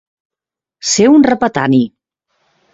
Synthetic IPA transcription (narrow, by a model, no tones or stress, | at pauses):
seunrəpət̪ani